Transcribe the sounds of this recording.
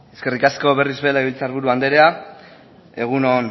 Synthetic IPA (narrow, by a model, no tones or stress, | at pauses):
eske̞rikasko̞β̞e̞rizβe̞laiβilt͡saɾβuɾuand̪e̞ɾea | e̞ɣ̞unon